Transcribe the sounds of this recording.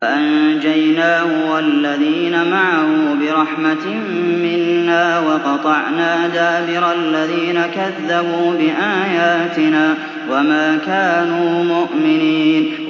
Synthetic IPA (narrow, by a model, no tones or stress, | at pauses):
ʔand͡ʒajnaːhʊwalːaðiːnamaʕahʊbɪɾˤɑħmat̪ | mːɪnːaːwɑqɑt̪ˤɑʕnaːd̪aːbɪɾˤɑlːaðiːnakaðːabuːbɪʔaːjaːt̪ɪnaː | wamaːkaːnuːmʊʔmɪniːn